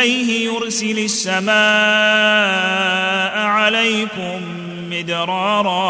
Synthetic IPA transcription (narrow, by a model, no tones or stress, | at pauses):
ajhɪjʊɾsɪlʊsːamaː | ʔʕalajkʊmː | ɪd̪ɾˤɑːɾˤɑː